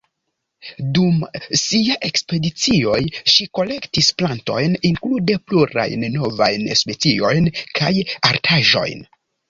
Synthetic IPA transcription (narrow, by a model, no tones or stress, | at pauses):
dumsiaʔe̞kspe̞dit͡sio̞jʃiko̞le̞ktisplanto̞̰jniŋklude̞pluɾa̰jnːo̞va̰jnspe̞t͡sio̞jnkʰajaɾtʰaʒo̞̰jn